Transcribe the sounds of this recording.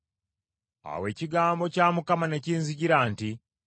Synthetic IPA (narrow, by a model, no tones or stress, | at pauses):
a̰we̞ːciɡaːmbo̞caːmukamane̞ciːnziɟiɾaːnti